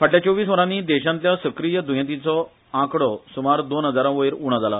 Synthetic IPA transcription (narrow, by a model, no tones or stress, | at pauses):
fʰəʈʰljat͡ɕoʋiːsʋəɾãniːd̪ɛɕãnt̪jasəkɾijəd̪ũɦjãt̪int͡sɔ | ãkɽɔsumaɾd̪onɦəd͡zaɾãʋəjɾuɽ̃ãd͡zala